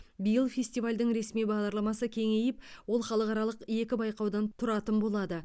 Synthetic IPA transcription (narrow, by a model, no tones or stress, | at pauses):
bijəlˠfʲe̞sʲt̪ijvalʲd̪əŋɾe̞smijbɑʁd̪ɑɾlˠɑmɑsəkʲʰe̞ŋe̞jɪpwo̞lˠχɑlˠəqɑɾɑlˠəqje̞kʲɪbɑjqɑwd̪ɑnt̪ʰʊɾɑt̪ənbo̞lˠɑd̪ə